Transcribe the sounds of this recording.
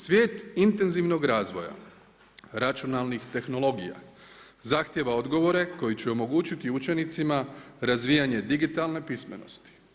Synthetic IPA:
sʋje̞ːt̪int̪e̞nziʋno̞ɡɾaːzʋo̞̰ja̰ | ɾat͡ʃionalˠnixt̪e̞xno̞lˠo̞ɡija̰ | zaxt̪je̞ʋao̞d̪ɡo̞ʋo̞ɾe̞ko̞jit͡ɕeo̞mo̞ɡuːt͡ɕit̪iut͡ʃe̞nit̪simaɾazʋijaɲe̞d̪iɡit̪alˠne̞pisme̞̰no̞̰st̪i̥

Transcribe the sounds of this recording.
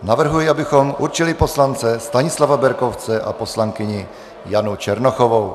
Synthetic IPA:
navr̩ɦujɛabɪxomʔuɾt͡ʃiliposlant͡sɛst̪aɲɪslavabɛɾkoft͡sɛʔa̰poslaŋkɪɲɪ | janut͡ʃɛɾnoxovow

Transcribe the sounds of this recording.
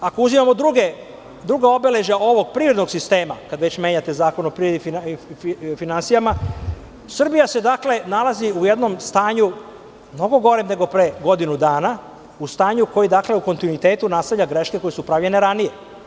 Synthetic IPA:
ako̞uzimamo̞d̪ɾuɡe | d̪ɾuɡao̞bele̞ʒao̞ʋo̞ɡ̚pɾiːvɾed̪no̞ɡsist̪e̞ːmakad̪ʋet͡ɕme̞ːɲat̪e̞zaːko̞nopɾied̪ifi | finansijama | sr̩bijase̞d̪akle̞nalˠaziuje̞d̪no̞mst̪aːɲu | mno̞ɡo̞ɡo̞ɾemne̞ɡo̞pɾeɡo̞d̪inud̪aːna | ust̪aːɲuko̞jid̪akle̞uko̞nt̪inuit̪e̞ːt̪unast̪avʎaɡɾe̞ʃke̞ko̞jesupɾaʋlʎe̞neɾanije̞

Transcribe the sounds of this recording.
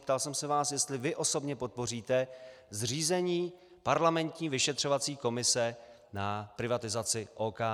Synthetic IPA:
pt̪alsɛmsɛvaːsjɛst̪lɪvɪʔo̞so̞bɲɛpo̞t̪̚po̞riːt̪ɛ | zr̝iːzɛɲiː | paɾlamɛnt̪ɲiːvɪʃɛt̪r̝̥ovat͡siːko̞mɪsɛ | napɾɪvat̪ɪzat͡sɪʔoːkaː

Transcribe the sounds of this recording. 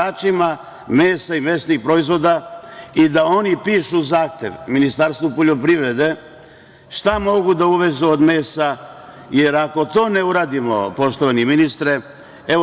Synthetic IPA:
aːt͡ʃima | me̞ːsaime̞ːsnixpɾo̞izʋo̞d̪aid̪ao̞nipiːʃuzaːxt̪je̞ʋminist̪aɾst̪ʋupo̞ʎo̞pɾiʋɾe̞d̪e̞ | ʃt̪amo̞ɡud̪auʋe̞zuod̪me̞ːsa | jeɾako̞t̪o̞ːne̞uɾaːd̪imo̞po̞ʃt̪o̞ʋaniminist̪ɾe | e

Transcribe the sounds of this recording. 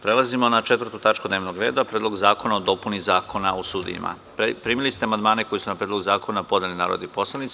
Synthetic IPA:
pɾe̞lazimo̞nat͡ʃet̪ʋəɾ̩t̪ut̪at͡ʃkud̪neʋno̞ɡɾe̞ːd̪apɾed̪lo̞ɡzaːko̞naod̪o̞punizaːko̞naosuːd̪ḭjḭma̰ | pɾiːmilist̪eamand̪maːne̞ko̞jisunapɾed̪lo̞ɡuzaːko̞napo̞d̪elina̰ːɾod̪ipo̞slˠanit̪s

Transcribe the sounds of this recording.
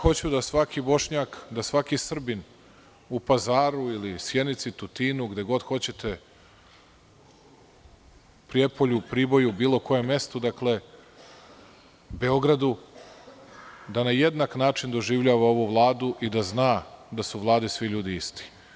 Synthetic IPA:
xo̞t͡ɕud̪asʋakibo̞ʃɲakd̪asʋakisr̩bin | upazaːɾuilisje̞nit̪sit̪ut̪iːnuɡd̪e̞ɡo̞d̪xo̞t͡ɕe̞t̪ʰe̞ | pɾije̞poʎupɾiːbo̞jubiːlo̞ko̞je̞mːje̞st̪od̪akle̞ | be̞o̞ɡɾad̪u | d̪anaje̞d̪naknaːt͡ʃind̪o̞ʒiːʋʎaːʋao̞ʋuʋlˠaːd̪uʔid̪aznaːd̪asuʋlˠaːd̪isʋiʎuːd̪iist̪i̥

